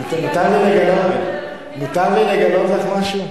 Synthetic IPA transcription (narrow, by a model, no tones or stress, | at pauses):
tmut̪aʁlileɡalol | mut̪aʁlileɡalo̞tlaχmaʃu